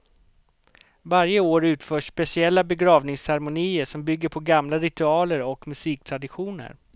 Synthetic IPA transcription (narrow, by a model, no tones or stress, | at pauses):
vaɾjəoːɾʉ̟ːt̪fœːʂːpɛsɪɛlːabɛɡɾɑːvnɪŋsɛɾmʊniːəʂɔmbʏɡːəɾpʰɔɡamlaɾɪt̪ɵɑːləɾɔkmɵsiːk̚t̪ʰɾad̪ɪɧuːnə̰ɾ